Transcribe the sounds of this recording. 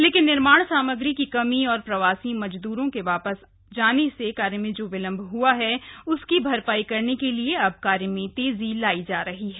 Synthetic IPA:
leːkɪnːɪɾmaːɽ̃saːməɡɾikikɐmiɔːɾpɾɐʋaːsimɐd͡ʒd̪uːɾõkeʋaːpəs | d͡ʒaːnesekaːɾjəmẽd͡ʒoːʋɪlə̃mbʱɦuaɦɛʊskibʱɐɾpaːikɐɾnekelieɐb̚kaːɾjəmẽt̪eːzilaːid͡ʒaːɾɐɦiɦɛː

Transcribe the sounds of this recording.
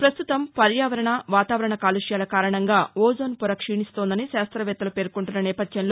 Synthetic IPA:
pɾɐst̪ut̪ɐmpɐɾjaːʋɐɾɐɳɐʋaːt̪aːʋɐɾɐɳɐkaːluʂjaːlɐkaːɾɐɳɐŋɡaːoːzoːnpuɾɐkʂiːɳist̪o̞ːnd̪ɐniʃaːst̪ɾɐʋɛːt̪ːɐlupe̞ːɾkuɳʈunːɐnɛːpɐd̪jɐnloː

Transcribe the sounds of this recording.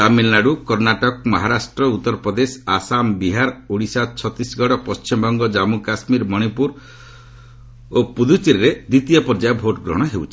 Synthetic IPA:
t̪amilnaɽukɔɾnaʈɔk̚mɔɦaɾasʈɾɔut̪ːɔɾɔpɾɔd̪esasambiɦaɾuɽ̃isat͡ʃʰɔt̪isɡɔɽɔpɔst͡ʃimɔbɔŋɡɔd͡ʒamukasmiɾmɔɽ̃ipuɾ | opud̪ut͡ʃiɾɾed̪it̪ijɔpɔɾd͡ʒajɔbʱoʈɔɡɾɔ̰ɽ̃ɔɦewt͡ʃʰi̥

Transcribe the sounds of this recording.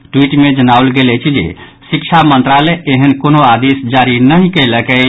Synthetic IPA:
ʈwiʈmed͡ʒənaolɡelɛt͡ʃʰid͡ʒḛ | sik̚t͡ʃʰamənt̪ɾaleːɦənkonoad̪esd͡ʒaɾinəɦikələkɛ

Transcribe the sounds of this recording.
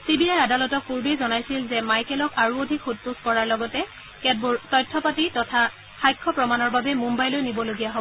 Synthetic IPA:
sibiajadalɔtɔk̚puɹbejzɔnajsilzɛmajkɛlɔkaɹuodʱikxut̚puskɔɹaɹlɔɡɔtɛ | kɛbtɔjtʰːɔpatitɔtʰa | xajkʰːɔpɹɔmanɔɹbabɛmumbajlojnibɔloɡijaɦobɔ

